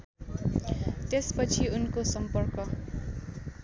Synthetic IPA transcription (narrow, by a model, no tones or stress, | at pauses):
t̪espʌt͡sʰiunkosʌmpʌrkʌ